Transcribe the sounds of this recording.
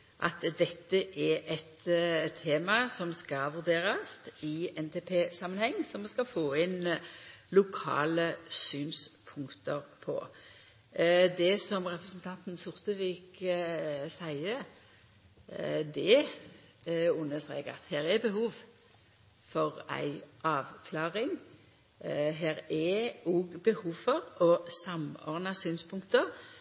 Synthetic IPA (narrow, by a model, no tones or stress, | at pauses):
ʔɑ̰t̪d̪ɛt̪ːəʔɛʔɛt̪t̪ʰːeːmɑsɔmskɑʋʉʁd̪eːɾɑst̪ɪɛnt̪ʰeːpʰeːsɑmːənhɛŋːsɔmskɑfoːɪn | lʊkʰɑ̰ːləsyːnspʰʊŋkt̪əɾpʰɔ̰ | d̪ɛsɔmʁɛpɾəsənt̪ʰɑnt̪n̩sʊʁt̪əʋiːk | sæɪə | d̪ɛ | ʉnːət̪ʁḛːkəɾɑt̪heːɾɛbəhuːʋ | fɔʁæ̰ɪʔɑːʋkʰlɑːʁɪŋ | ɦeːɾɛuɡbəhuːʋfɔʁɔsɑmɔ̰ʁd̪ɑsyːnspʰʊŋkt̪əɾ